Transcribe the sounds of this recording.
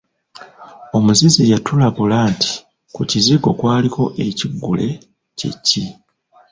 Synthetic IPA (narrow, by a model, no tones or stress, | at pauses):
o̞muzizijatulaɡulaːnti̥ | kuciziɡo̞kwaːlikʰo̞ʔe̞ciɡːule̞ | cḛcːi